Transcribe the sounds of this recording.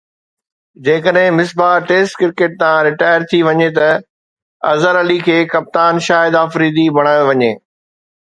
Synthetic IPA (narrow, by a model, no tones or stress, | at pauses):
d͡ʑeːkəɗɦɪ̃mɪs̬baːʈeːsʈkɪɾkeːʈ̚t̪ãɾɪʈaːjəɾt̪ʰiʋɐɲet̪ɐ | ɐ̰zəɾɐlikʰeːkɐp̚t̪aːnʃaːjɪd̪aːfɾiːd̪ibʱɐɽ̃aːjoʋɐɲeː